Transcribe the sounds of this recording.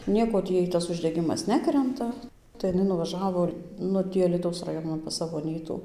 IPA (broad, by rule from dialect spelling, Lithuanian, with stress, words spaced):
ˈnʲiɛkoː ˈtʲiː ˈjɛɪ ˈtɐs ʊʒʲdʲɛˈɡʲɪmɐs ˈnʲæːkrʲɛntɐ tɐɪ ɪˈnɐɪ nʊʋɐˈʒɑːʋoː ˈnʊ ˈtʲiː ɐlʲiːˈtɐʊs rɐˈjoːnɐn pɐs ˈsɑːʋoː ɐˈnʲiːtuː